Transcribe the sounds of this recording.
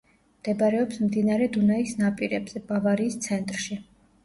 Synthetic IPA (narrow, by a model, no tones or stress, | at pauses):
md̪̥ɛbɾɛɔpsmd̪inaɾɛd̪unaisnapʼiɾɛbz̥ɛbavaɾiːst̪sʰɛnt̪ʼɾʃi